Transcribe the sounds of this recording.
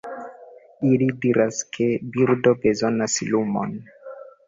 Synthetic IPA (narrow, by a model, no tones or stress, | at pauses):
ilidiɾʔaskʰebiɾdobezo̞naslumo̰n